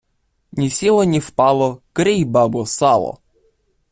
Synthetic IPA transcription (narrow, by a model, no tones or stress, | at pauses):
nʲisʲilˠɔnʲifpalˠɔkɾejbabɔsalˠɔ̰